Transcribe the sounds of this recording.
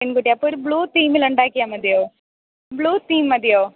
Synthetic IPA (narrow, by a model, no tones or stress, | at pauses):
ɪnɡuʈjapuɾbluːt̪iːmiləɳɖaːkijamɐd̪ijoː | bluːt̪iːmːɐd̪ijoː